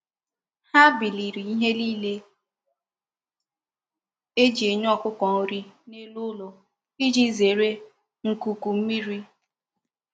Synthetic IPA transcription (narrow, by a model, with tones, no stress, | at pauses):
ha˦bi˨li˨ɾi˨i˦ɦe˦liː˦le˦ | e˦d͡ʒi˨e˨ɲ˦ɔ˦˨kʊ˦kʷɔ˨o˨ɾi˦ne˦lu˦lo˨ | i˦d͡ʒi˦ze˨ɾe˦ | ŋ̩˨ku˨ku˨m̩˦mi˦ɾi˦